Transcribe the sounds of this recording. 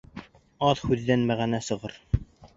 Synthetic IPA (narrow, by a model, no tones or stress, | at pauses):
ɑðhʉðːænmæʁænæsɤ̆ʁɤɾ